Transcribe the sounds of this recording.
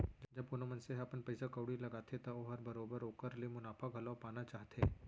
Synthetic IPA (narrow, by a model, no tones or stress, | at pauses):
d͡ʒd͡ʒɐbkʊnomɐnseɦɐpənpɐɪsakɐʊɽilɐɡaːt̪ʰet̪ɐoɦɐɾbɐɾoːbəɾoːkəɾlemʊnaːfʰaɡʱɐlaːpaːnat͡ʃaːɦt̪ʰeː